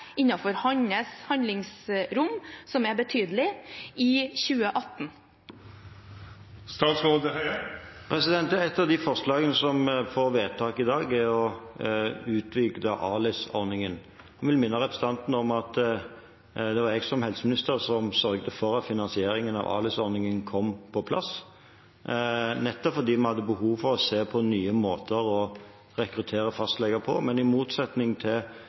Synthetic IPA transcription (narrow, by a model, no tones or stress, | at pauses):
ɪnɑfɔɾhɑɲəshɑnd̪lɪŋsɾʊmsɔmɛbət̪ʰyːd̪lɪɪçʉːəʔɑt̪n̩ | st̪ɑːt̪smod̪əhæpʰɾɛsɪd̪ɛnt̪əɛt̪ːɑd̪ɪfɔʁslɑːɡənəsɔmfoːʋeːt̪ʰɑːkɪd̪ɑːɡɛɔ | ʉːt̪ʰʋɪɡd̪əʔɑ̰ːlɪsɔ̰ʁnɪŋən | hɑnʋɪlmɪnːəʁɛpɾəsət̪ɑnt̪n̩ɔmɑt̪ | d̪ɛʋɑɾɛɡsɔmhɛlsəmɪnɪst̪əɾsɔmsœɾɡd̪əfɔɾɑt̪fɪnɑnsɪeːɾɪŋənɑ̰ʋɑ̰ːlɪsɔɾnɪŋənkʰɔmpʰɔpʰlɑ̰s | nɛt̪ːɔpfɔd̪iːmɑnhɑd̪ːəbəɦuːʋfɔʁɔseːpʰɔnyːəmoːt̪ʰəɾɔ | ʁɛkɾʉt̪ʰeːɾəfɑst̪lɛɡəpʰɔ̰mɛnɪmuːt̪sɛt̪nɪŋt̪ʰɪl